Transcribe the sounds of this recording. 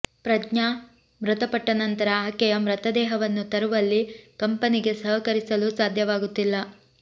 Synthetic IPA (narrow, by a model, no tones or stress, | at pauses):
pɾɐdɲaː | mɾɐt̪ɐpɐʈːɐnɐnt̪ɐɾɐaːkɛjɐmɾɐt̪ɐd̪ɛːɦɐʋɐnːut̪ɐɾuʋɐlːikɐmpɐniɡe̞sɐɦɐkɐɾisɐlusaːd̪ʱjɐʋaːɡut̪ːilːɐ